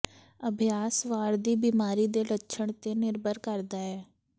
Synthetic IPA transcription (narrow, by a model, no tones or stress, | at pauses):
əbʱjaːsʋaːɾd̪iːbiːmaːɾiːd̪eːlətːʃʰəɳ̃t̪eːnɪɾbəɾkəɾd̪aːɛː